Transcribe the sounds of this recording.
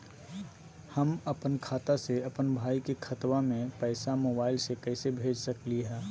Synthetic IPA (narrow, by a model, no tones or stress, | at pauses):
hɐmɐpənkʰaːt̪aseɐpənbʱaːikekʰɐt̪wamẽpɛːsamoːbaːɪlsekɛːsebʱeːd͡ʒʱsɐkliɦɛː